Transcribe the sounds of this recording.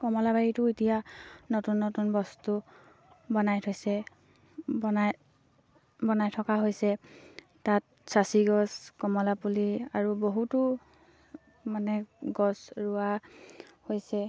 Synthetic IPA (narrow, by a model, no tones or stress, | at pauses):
kɔmɔlabajitʊitijanotunːotunbɔstu | bɔnajtʰojsɛ | bɔnaj | bɔnajtʰɔkaɦojsɛ | tat̚ | sasiɡɔskɔmɔlapuliaɹuboɦutʊ | manɛɡɔsɹʊa | hojsɛ